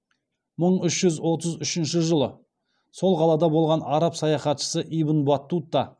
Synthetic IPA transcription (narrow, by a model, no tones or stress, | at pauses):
məɴʏʃʒ̥ʏzwo̞t̪̬əzʏʃɪnʃɪʒəlˠə | so̞lˠqʰɑlˠɑd̪ɑbo̞lˠʁɑnɑɾɑpsɑjɑχɑt̪ʃə̥səʔibənbɑt̪ːut̪ːɑ